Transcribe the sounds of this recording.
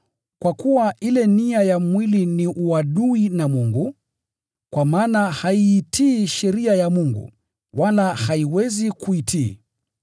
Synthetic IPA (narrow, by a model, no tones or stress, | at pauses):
kwakuwaʔilɛniajamwiliniʔuaɗuinamuŋɡu | kwamaːnahaiːtʰiːʃɛɾiajamuŋɡṵ | walahaiwɛzikuitʰiː